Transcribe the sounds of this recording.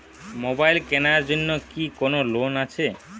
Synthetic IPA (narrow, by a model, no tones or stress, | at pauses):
mobajlkenaɾd͡ʑonːokikonolonat͡ɕʰe